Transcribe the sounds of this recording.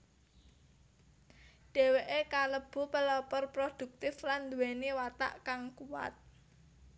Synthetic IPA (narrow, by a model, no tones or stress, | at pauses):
ɖ̥e̤weʔekaləb̥ṳpəlɔpɔrpɾod̪̥ṳk̚t̪ɪfland̪uweniwat̪a̰ʔkaŋkuwa̰t̪̚